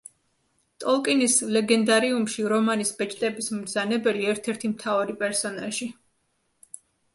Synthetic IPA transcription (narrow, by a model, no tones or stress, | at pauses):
t̪ʼɔlˠkʼinislɛɡɛnd̪aɾiumʃiɾɔmanisbɛt͡ʃʰʼt̪ʼɛbismzanɛbɛliɛɾt̪ʰɛɾt̪ʰimt̪ʰaaɾipʼɛɾsɔnalʒi